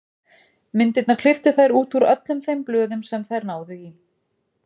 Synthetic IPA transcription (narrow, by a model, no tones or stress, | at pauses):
mɪnt̪ɪt̪naɾ̥kʰl̥ɪft̪ʏθajɾuːt̪uɾœ̰t̪lʏmθejmplœːðʏmsɛmθajɾnaːwðʏi